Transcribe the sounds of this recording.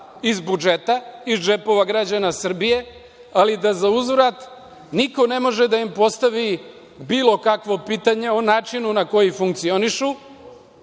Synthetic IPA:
izbud͡ʒe̞t̪aizd͡ʒe̞po̞ʋaɡɾad͡ʑanasr̩bije̞ | alid̪azauzvɾat̪ | niko̞ne̞mo̞ʒed̪aimpo̞st̪aʋi | biːlˠo̞kakʋo̞piːt̪aɲe̞onaːt͡ʃinunako̞jifuŋk̚t̪sio̞niʃu

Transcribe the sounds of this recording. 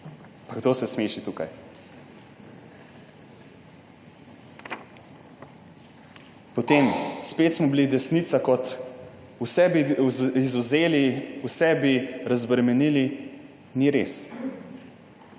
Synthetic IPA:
paɡd̪osɛsmeːʃit̪uːkaj | pɔt̪emspeːt̪smɔbilid̪ɛsnit̪sakɔt̪ | usɛbiizuzeːliusɛbiɾazbɾɛmɛnili | niɾeːs

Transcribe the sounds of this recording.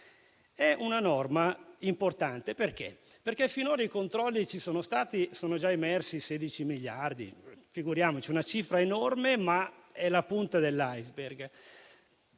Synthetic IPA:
ɛʔunanɔrmaimport̪ant̪eperk̟ḛ | perk̟ɛfinoːɾaikont̪ɾɔlːit͡ʃisoːnost̪aːt̪isoːnod͡ʒaemɛrsiseːd̪it͡ʃimiʎːard̪ḭfiɡuɾjaːmot͡ʃiunat͡ʃiːfɾaenɔrmemaɛlapunt̪ad̪elːajzberɡ

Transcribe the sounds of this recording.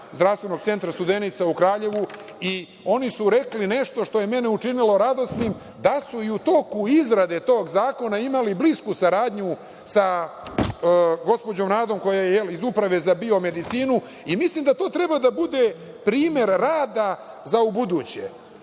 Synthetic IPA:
zd̪ɾafst̪ʋe̞no̞ɡt̪se̞nt̪ɾast̪ud̪enit̪saukɾaːʎe̞ʋu | i | o̞nisuɾe̞kline̞ʃt̪oʃt̪o̞je̞meneuʈ͡ʂinilo̞ɾad̪o̞snim | d̪asuiut̪o̞kuizɾad̪e̞t̪o̞ːɡzaːko̞naimalibliskusaɾaːd̪ɲu | sa | ɡo̞spo̞d͡ʑo̞mɾaːd̪o̞mko̞jajejelizupɾaʋe̞zabio̞me̞d̪it̪siːnu | imislˠimd̪at̪o̞ːt̪ɾebad̪abud̪e | pɾiːme̞ɾːaːd̪a | zaubud̪ut͡ɕḛ

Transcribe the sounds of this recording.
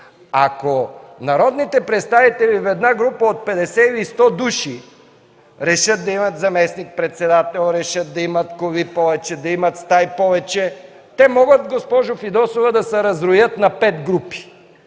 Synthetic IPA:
akonɐɾɔd̪nit̪ɛpɾɛt̪st̪avit̪ɛlivɛd̪naɡɾupɐot̪̚pɛd̪ɛsɛlist̪ɔd̪uʃi | ɾɛʃət̪̚d̪ɐimɐt̪zɐmɛsnik̚pɾɛt̪sɛd̪at̪ɛlˠɾɛʃət̪̚d̪ɐimɐt̪kovipɔvɛt͡ʃɛd̪ɐimɐt̪st̪ajpɔvɛt͡ʃɛ | t̪ɛmɔɡət̪ɡospɔʒofid̪ɔsovɐd̪ɐsɛɾɐzɾojət̪nɐpɛt̪ɡɾupi̥

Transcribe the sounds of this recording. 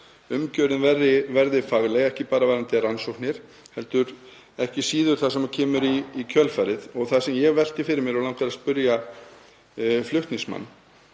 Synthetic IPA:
ʏmcœːɾɪnvɛrɪvɛɾðɪfaɣlɛɣɛhcɪpaːɾavaːɾant̪ɪransowhknɪɾ̥ | hɛlt̪ʏɾ | ɛhcɪsiːðʏɾ̥θaðsɛmacʰɛːmʏɾiːcʰœlfaɾɪðɔɣθasɛmjɛɣvɛl̥t̪ɪfɪɾɪɾmjɛɾawlawŋ̥k̪aɾaspʏɾja | flʏht̪nɪŋsma̰nː

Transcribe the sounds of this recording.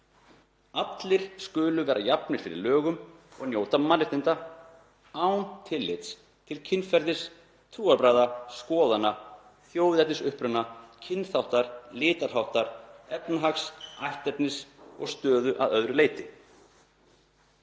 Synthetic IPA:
at̪lɪɾ̥skʏːlʏvɛːɾʔajapnɪɾ̥fɪɾɪ̰ɾlœːɣʏmɔ̰ɣnjoːwt̪amanːɪht̪ɪnt̪a | awnt̪ʰɪlːɪt̪s | t̪ʰɪlcʰɪnfɛɾðɪs | t̪ʰuːapɾaːðaskɔːðana | θjoːwðɛt̪nɪsʏhpɾʏnacʰɪnːθawht̪aɾlɪːt̪aɾ̥ɦawht̪aɾ̥ɛpnaɦaksajht̪ɛt̪nɪsɔ̰ɣst̪œːðʏʔa̰ðœðɾʏleːjt̪ɪ

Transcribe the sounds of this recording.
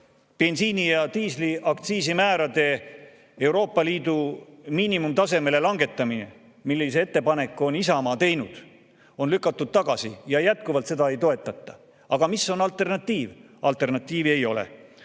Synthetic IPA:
pe̞nsiːnijɑt̪iːsliʔɑkt̪siːsimæːɾɑd̪̥e̞ | e̞wɾo̞ːpˑːɑliːd̪̥umiːnimumt̪ɑse̞me̞le̞lɑŋɡ̥e̞t̪ːˑɑmine | milːise̞e̞t̪ːe̞pɑne̞kːˑuo̞nisɑmɑːt̪e̞jnud̪̥ | o̞nlykːˑɑt̪ːˑud̪̥̚t̪ɑɡ̥ɑsijɑjæt̪̚kuvɑlt̪se̞d̪̥ɑe̞jt̪o̞e̞t̪ˑːɑt̪ˑːɑ̥ | ɑɡ̥ɑmisːo̞nɑlt̪ːˑe̞rnɑt̪ˑːiːv | ɑlt̪ːˑe̞rnɑt̪ːˑiːvie̞jo̞lḛ

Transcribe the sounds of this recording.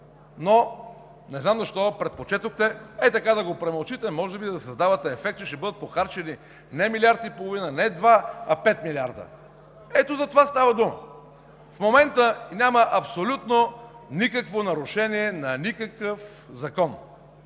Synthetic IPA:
no | nɛznamzɐʃt̪ɔpɾɛt̪̚pot͡ʃɛt̪oxt̪ɛɛt̪ɐkad̪ɐɡopɾɛmɐlˠt͡ʃit̪ɛmɔʒɛbid̪ɐsɐzd̪avɐt̪ɛːfɛkt̪t͡ʃɛʃt̪ɛbɤd̪ət̪̚poxaɾt͡ʃɛni | nɛmilʲiaɾd̪ipolˠovinənɛd̪vaɐpɛt̪milʲiaɾd̪ə̰ | ɛt̪ozɐt̪ovast̪avɐd̪umə̰ | fmomɛnt̪ənʲaməʔɐpsolʲut̪nonikəkvonɐɾʊʃɛniɛnɐnikəkəf | zɐkɔn

